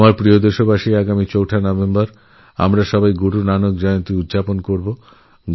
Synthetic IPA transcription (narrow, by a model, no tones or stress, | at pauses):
maɾpɾiod̪eʃobaʃiaɡamit͡ɕowʈʰanɔbembaɾ | a̰mɾaʃɔbajɡuʈunanok̚d͡ʑɔjont̪iud̪d͡ʑaponkoɾbo